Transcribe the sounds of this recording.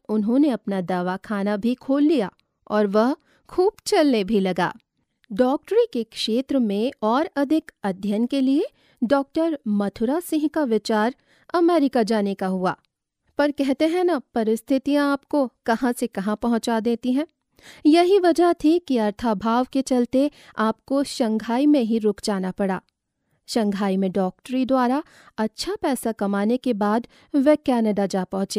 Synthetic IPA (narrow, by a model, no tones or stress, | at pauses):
ʊnɦõːneɐpnad̪aːʋakʰaːnabʱikʰoːlːijaː | ɔːɾʋɐɦ | kʰuːb̚t͡ʃɐlnebʱilɐɡa̰ː | ɖɔːk̚ʈɾikekʃeːt̪ɾəmẽɔːɾɐd̪ʱɪkɐd̪ʱjənkelie | ɖɔːk̚ʈəɾmɐt̪ʰʊɾasɪ̃ɦkaʋɪt͡ʃaːɾ | ɐmɛːɾɪkad͡ʒaːnekaɦua̰ː | pɐɾkɛɦt̪eɦɛ̃napɐɾɪst̪ʰɪt̪ijãaːpkokɐɦãsekɐɦãpɐɦʊ̃t͡ʃad̪eːt̪iɦɛ̃ː | jɐɦiʋɐd͡ʒəɦt̪ʰikiɐɾt̪ʰabʱaːʋket͡ʃɐlt̪eaːpkoʃɐ̃ŋɡʱaːimẽɦiɾʊkd͡ʒaːnapɐɽa̰ː | ʃɐ̃ŋɡʱaːimẽɖɔːk̚ʈɾid̪waːɾa | ɐtːʃʰapɛːsakɐmaːnekebaːd̪ | ʋekɛːnəɖad͡ʒaːpɐ̃ɦʊ̃t͡ʃeː